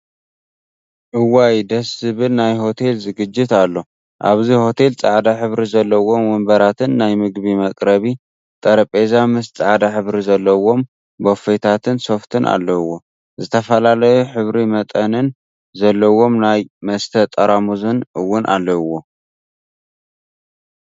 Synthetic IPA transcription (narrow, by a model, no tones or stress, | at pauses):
ʔɨwajd̪ɐszɨβɨlnajɦo̞t̪ʰe̞lzɨɡɨd͡ʒːɪt̪alːo̞ | ʔaβziho̞t̪ʰe̞lt͡sʼaʕd̪aħɨβɾizɐlːɐwo̞mwɨmbɐɾat̪ʰɨnːajmɨɡβimɐkʼɾɐβi | t̪ʼɐɾɐpʼe̞zamɨst͡sʼaʕd̪aħɨβɾizɐlːɐwo̞m | bofet̪ʰat̪ʰɨnso̞ft̪ʰɨnʔa̰lːɐwːo̞ | zɨt̪ʰɐfɐlalɐjuħɨβɾimɐt̪ʼɐnɨn | zɐlːɐwo̞mnajmɐst̪ʰɐt̪ʼɐɾamuzɨnɨwːʊnʔa̰lːɐwːo